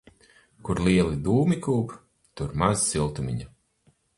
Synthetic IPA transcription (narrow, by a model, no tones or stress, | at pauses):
kuɾlˠiɛlˠid̪uːmikuːp | t̪uɾmazsilˠt̪umʲḭɲa